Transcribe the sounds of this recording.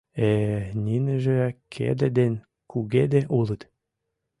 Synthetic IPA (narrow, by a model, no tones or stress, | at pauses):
enʲinɘ̆ʒĕkʰḛd̪ɘ̆d̪en | kuɣed̪eʔulˠɤ̆t̪